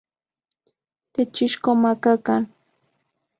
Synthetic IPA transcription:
t̪ɪt͡ʃɪʃkomakakaŋ

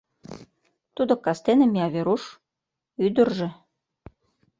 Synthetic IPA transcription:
t̪ud̪okɑst̪enĕmiɑβeɾuʃ | yd̪ə̆rʒĕ

